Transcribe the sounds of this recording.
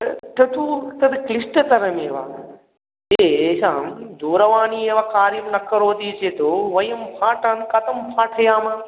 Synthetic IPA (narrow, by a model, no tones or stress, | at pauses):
ʈ̪ʰɐt̪ʰuːt̪ɐd̪klɪsʈɐt̪ɐɾəmeːʋa̰ː | esãːd̪oːɾɐʋaːnieʋaːkaːɾjəmnɐkːɐɾoːt̪it͡ɕeːt̪oːʋɐjɐmpʰãːʈʰãːnkɐt̪ɐmpʰaːʈʰɐjãːmãː